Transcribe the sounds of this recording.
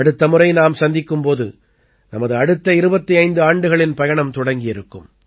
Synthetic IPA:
ɐɽɯt̪ːɐmɯɾɐɪnaːmsɐnd̪ɪkːɯmpoːðɯ̰ | nɐmɐðɯɐɽɯt̪ːɐɪɾɯbɐt̪ːiɐɪnd̪ɯaːɳɖɯɣɐɭɪnpɐjɐɳɐmt̪ɔɽɐŋɡɪjɪɾɯkːɯm

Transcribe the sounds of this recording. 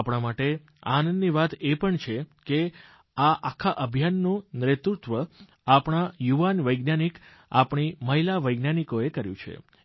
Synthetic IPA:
apɳ̃amaʈe | anənːiʋat̪epəɳt͡ʃʰeke | aʔakʰːaʔəbʱjanːũnɾet̪ɾut̪ʋə | apɳ̃ajuʋanʋəjɡnanik | a̰pɳ̃iməɦilaʋəjɡnanikoekəɾjṵ̃t͡ʃʰḛ

